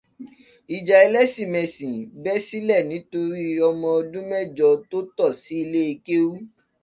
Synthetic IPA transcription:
i˨d͡ʒa˨i˧lɛ˦sĩ˦˨mɛ̃˨sĩ˨bɛ˦si˦lɛ˦˨nĩ˨˦to˧ɾi˦ɔ˧mɔ̃˧ɔ˧dũ˦mɛ˦˨d͡ʒɔ˨˧to˦tɔ˦˨si˨˦i˧le˦e˧ke˦wu˦

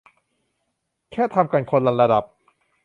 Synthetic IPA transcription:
kʰɛː˥˩t̪ʰa˧mka˧nkʰo˧nɾa˧nɾa˧da˨˩p̚

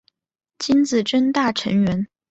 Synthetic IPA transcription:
t͡ɕi˥nt͡sɹ̩˨˩ʈ͡ʂə˥nt̪a˥˩ʈ͡ʂʰə˧˥ŋɥɛ˧˥n

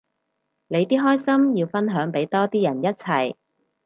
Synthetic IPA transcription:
ne˨˧jt̪iː˥ɦɔː˥jsɐ˥mjiː˧wfɐ˥nɦœː˨˥ŋpe˨˥jt̪ɔː˥t̪iː˥jɐ˨˩njɐ˥t̚t͡sʰɐ˨˩j

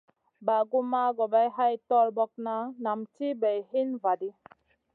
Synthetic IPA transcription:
ba˨ɡu˦ma˦ɡɔ˨ba˦jɦa˦jtɔ˦˨lbɔ˦k̚na˦na˨mti˦bɛ˨jɦi˦nva˨di˦

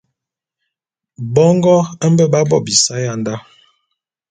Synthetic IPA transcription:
bɔ˦ŋɡɔ˦ə˦m̩˦bə˦ba˦bɔ˦˨bi˨sa˦ja˦˨n˦da˦

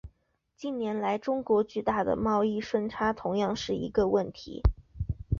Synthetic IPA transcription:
t͡ɕi˥˩nnjɛ˧˥nla˧˥ɪʈ͡ʂʊ˥ŋkwɔ˧˥t͡ɕy˥˧t̪a˥˩d̪ə̰˩mɑ˥˧ʊi˥˩ʂwə˥nʈ͡ʂʰa˥t̪ʰʊ˧˥ŋjɑ˥˧ŋʂɻ̩˥˩ḭ˧˥ɡə˧wə˥˩nt̪ʰḭ˧˥

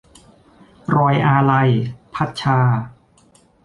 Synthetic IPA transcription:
ɾɔː˧jʔaː˧la˧jpʰa˦˥t̪̚t͡ɕʰaː˧

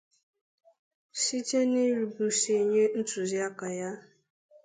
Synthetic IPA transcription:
si˦t͡ʃe˦ni˦ɾi˨bu˨se˨ɲe˦n̩˦tu˨zi˦a˦ka˨ja˦

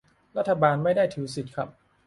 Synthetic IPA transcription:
ɾa˦˥t̪ʰːa˧baː˧nma˥˩jdaː˥˩jt̪ʰi˩˦wsi˨˩t̪̚kʰɾa˦˥p̚

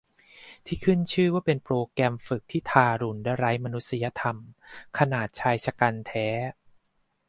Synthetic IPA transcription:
t̪ʰiː˥˩kʰɯ˥˩nt͡ɕʰɯː˥˩waː˥˩pe˧npɾoː˧kɾɛː˧mfɯ˨˩k̚t̪ʰiː˥˩t̪ʰaː˧ɾu˨˩˦nda˧˩ɾa˦˥jma˧nu˦˥t̪̚sa˧ja˧t̪ʰa˧mkʰa˧naː˨˩t̪̚t͡ɕʰaː˧jt͡ɕʰa˧ka˧nt̪ʰɛː˦˥

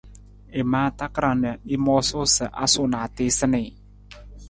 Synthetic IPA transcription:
e˨ma˦t̪a˦kɾa˨nə˨i˦mɔ˦so˦sə˨ʔa̰˦so˨ʔna˨t̪i˦sə˦nɪ˨

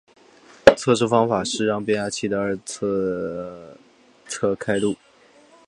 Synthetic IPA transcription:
t͡sʰɤ˥˧ʂu˥fɑ˥ŋfa˨˩ʂɻ̩˥˧ɻɑ˥˧ŋpjɛ˥nja˥t͡ɕʰi˥˩d̪ə˧ə˞˥˧t͡sʰ | t͡sʰɤ˥˩kʰa˥ɪlu˥˩

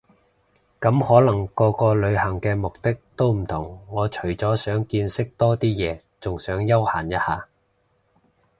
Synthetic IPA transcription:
kɐ˨˥mhɔː˨˥lɐ˨˩ŋkɔː˧kɔː˧lɵ˨˧ɥhɐ˨˩ŋkɛː˧mʊ˨k̚t̪ɪ˥k̚t̪o˥wm̩˨˩t̪ʰʊ˨˩ŋːɔː˨˧t͡ʃʰɵ˨˩ɥt͡sɔː˨˥sœː˨˥ŋkiː˧nsɪ˥k̚t̪ɔː˥t̪iː˥jɛː˨˧ | t͡sʊ˨ŋsœː˨˥ŋjɐ˥whaː˨˩njɐ˥t̚haː˨˧

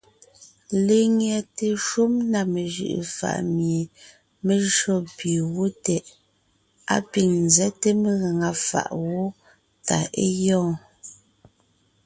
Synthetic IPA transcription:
le˦˨ŋjɛ˨te˨ʃu˦mna˨me˨ʒɯ̰˦˨ʔḛ˨fa̰˦˨ʔmje˨ | me˨ʒɔ˦˨pi˨wo˦tɛ˨ʔ | a̰˦pi˨ŋn˨zɛ˦te˦me˦ɣa˨ŋa˨fa̰˨ʔwo˦ | ta˨e˦jɔ̃ː˦˨

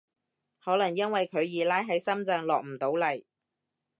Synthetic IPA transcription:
hɔː˨˥lɐ˨˩ŋjɐ˥nwɐ˨jkʰɵ˨˧ɥjiː˨˧laː˥jɦɐ˨˥jsɐ˥mt͡sɐ˧ŋlɔː˨k̚m̩˨˩t̪o˨˥wlɐ˨˩j

